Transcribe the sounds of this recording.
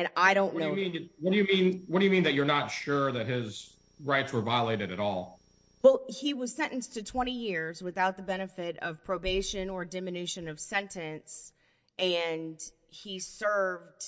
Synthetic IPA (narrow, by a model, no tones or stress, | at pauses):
ɨ̃naɪɾõʊ̃nːooʊmĩnwʌd̥ɨjɨmĩnwʌd̥ɨjɨmĩnðɨt͡ʃə˞nətʃʊɹðɨt̚ɦɪz | ɹaɪtswə˞vaɪəleɪɾɨɾɨɾɔlˠ | wɛlˠhiwʌz̥sɛ̃nʔn̩stʰɨtʰw̥ɛ̃ɾ̃ijɪɹzwɨθaʊt̪̚ðəbɛɾ̃ɨfɪɾʌ̰v̥pʰɹ̥oʊbeɪʃɨ̃nə˞dɪ̃mɨnʉʃɨ̃nʌv̥sɛ̃ntɨ̃ns | ʔɨ̃n | isɜ˞vd̥